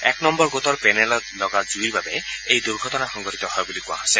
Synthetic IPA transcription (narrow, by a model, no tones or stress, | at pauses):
ɛknɔmbɔɹɡot̪ɔɹpɛnɛlɔt̪lɔɡazuiɹbabɛejd̪uɹɡʱɔtɔnaxɔŋɡɔtit̪ɔhɔjbulikuwa̰ɦasɛ